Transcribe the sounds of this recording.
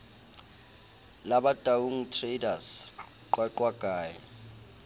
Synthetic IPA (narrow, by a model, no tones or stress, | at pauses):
laɓad̥ʱʼawuŋtʰredas | ǃwaǃwaɡ̥ʱaːjɛ̰